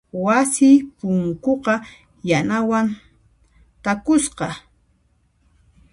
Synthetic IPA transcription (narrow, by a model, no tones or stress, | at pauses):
wasɪːpʊŋkoqɑ | janawan | t̪akʊsqɑ